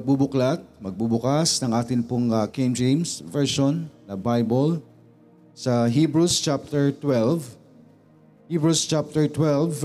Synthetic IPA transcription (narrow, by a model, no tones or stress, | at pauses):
ɐɡ̚bubʊklat̪̚mɐɡ̚bubʊkasnɐŋʔaːt̪ɪnpʊŋɐkemd͡ʒejmsvɛɹʃonːɐbajbol | sɐɦibɹust͡ʃap̚t̪ɛɹt̪wɛlv | hibɹust͡ʃap̚t̪ɛɹt̪wɛlv